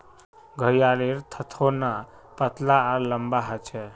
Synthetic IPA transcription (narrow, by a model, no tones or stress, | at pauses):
ɡʱəjaleɾt̪ʰət̪ʰona | pət̪laːɾləmbaɦət͡ʃʰɛ